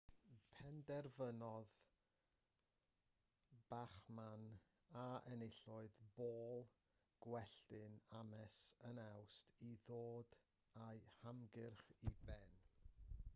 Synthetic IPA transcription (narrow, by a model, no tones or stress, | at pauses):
pʰɛndɛrvənɔð | b̥aχman | aɛnɪɬʊɨðboːlˠ | ɡ̥wɛɬtɪnamɛsənawstʰiðoːd | ajhamɡɪrχibɛn